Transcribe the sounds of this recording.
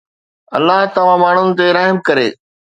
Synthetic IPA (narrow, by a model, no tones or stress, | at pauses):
ɐ̰lːaɦt̪ɐʋ̤ãmaːɳ̤ʊnɪ̆t̪̬eɾaːɦɪmkɐɾeː